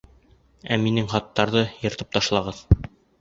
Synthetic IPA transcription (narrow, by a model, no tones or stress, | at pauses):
æminɘŋχɒt̪ːɑɾðɤjɤ̆ɾt̪ɤp̚t̪ɒʃlˠɑʁɤð